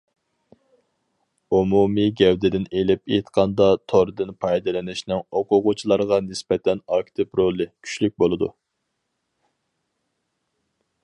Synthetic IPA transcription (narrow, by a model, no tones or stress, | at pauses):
umumiɡʲɛwd̪ɪd̪ɪnelɪpḛt̪qʰɑnd̪ɑt̪ʰoɾɨd̪ɨnpʰɑjd̪ɨlɪnɪʃnɪŋoqʰʊʁʊt͡ʃʰilˠɑɾʁɑnɪspɛt̪ʰɛnɑk̚ʲt̪ʰɪpɾolˠɨkʲʰy̥ʃlyk̚ʲbolˠɨd̪u